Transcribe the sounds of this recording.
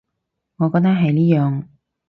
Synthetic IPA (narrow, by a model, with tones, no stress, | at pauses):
ŋɔː˨˧kɔː˧k̚t̪ɐ˥k̚ɦɐ˨jliː˥jœː˨ŋ